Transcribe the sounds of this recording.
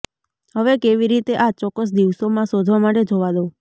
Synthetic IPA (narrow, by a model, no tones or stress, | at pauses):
ɦəʋekeʋiɾit̪eʔat͡ʃɔkːəs̬d̪iʋsomãsod̪ʱʋamaʈed͡ʒoʋad̪o